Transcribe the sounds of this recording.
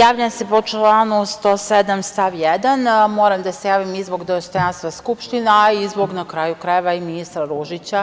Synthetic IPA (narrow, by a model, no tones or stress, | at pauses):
jaːʋʎasepo̞t͡ʃlaːnust̪o̞ːsed̪amst̪aʋjed̪anmoɾamd̪asejaːʋimizboɡd̪ost̪o̞janst̪ʋaskupʃt̪inaaizboɡnakɾaːjukɾajeʋaiminist̪ɾaɾuʒit͡ɕa